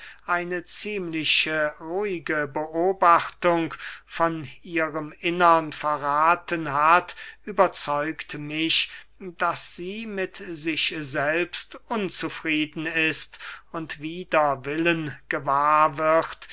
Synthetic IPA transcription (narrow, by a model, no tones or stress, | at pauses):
ʔaɪnət͡siːmlɪʃəʁuɪɡəbəʔoːbaχtʊŋkfɔniːʁəmʔɪnɐnfɛɐʁaːtənɦatʔyːbɐt͡sɔʏktmɪʃd̥asz̥iːmɪtzɪçzɛlpstʔʊnt͡sufʁ̥iːdn̩ɪstʊntv̥iːdɐvɪlənɡ̥əvaːɐvɪχt